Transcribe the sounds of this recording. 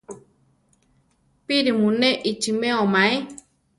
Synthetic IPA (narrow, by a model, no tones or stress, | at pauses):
piɾimunɛʔit͡ʃimɛɔmae